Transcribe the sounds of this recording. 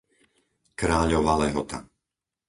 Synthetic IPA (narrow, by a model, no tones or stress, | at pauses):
kɾaːʎɔʋalɛɦɔt̪a̰